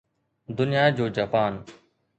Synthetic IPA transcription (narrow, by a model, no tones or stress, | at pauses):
d̪ʊnɪjaːd͡ʑoːd͡ʒaːpaːn